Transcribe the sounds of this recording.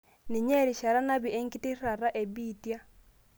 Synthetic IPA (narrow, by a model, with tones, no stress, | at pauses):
ni˨ɲe˦ɾi˨ʃa˨ɾa˦na˦βi˨e˦ŋki˦ti˦ra˨ɾa˦ʔe˨βitja˦